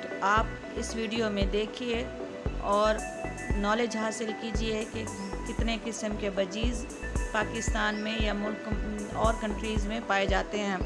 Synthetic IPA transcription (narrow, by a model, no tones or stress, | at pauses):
aːp | ɪsʋiːɖijomẽd̪eːkʰie | ɔːɾ | nɔːleːd͡ʒɦaːsɪlkiːd͡ʒieke | kɪt̪nekɪsəmkebɐd͡ʒiːz | paːkɪst̪aːnmẽjamʊlkɔːɾkɐ̃ɳʈɾiːzmẽpaːed͡ʒaːt̪eɦɛ̃ː